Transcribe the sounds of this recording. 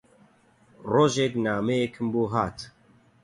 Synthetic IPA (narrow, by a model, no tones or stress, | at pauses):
roːʒeknaːmejekʰɨmbuːɦaːt̪